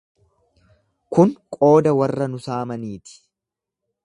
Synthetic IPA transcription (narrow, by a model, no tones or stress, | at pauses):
kʊŋkʼo̞ːd̪ɐwɐrːɐnʊsaːmɐniːt̪ɪ̥